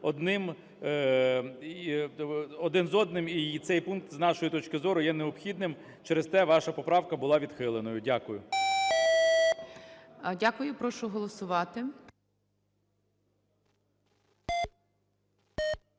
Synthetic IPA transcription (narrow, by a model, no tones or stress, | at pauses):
ɔd̪nɪm | ɔd̪ɪnzɔd̪nɪmit̪sɛjpunk̚t̪znɑʃɔjʊt̪ɔt͡ʃkɪzɔɾʊjɛneɔpxʲid̪nɪm | t͡ʃɛɾest̪ɛʋɑʃɐpɔpɾɑwkɐbʊlˠɑʋʲid̪xɪlˠenɔjʊdʲakʊjʊ | dʲakʊjʊpɾɔʃʊɦɔlˠɔsʊʋɑt̪ɪ